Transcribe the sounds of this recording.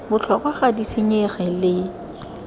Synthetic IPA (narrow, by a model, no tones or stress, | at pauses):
bʊt͡ɬʰɔkʼwaχadisɪɲɛχɛlɪ